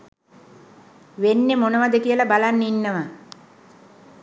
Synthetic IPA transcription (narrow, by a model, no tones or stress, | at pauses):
ʋenːemonəʋad̪əkijəlabalanːinːəʋa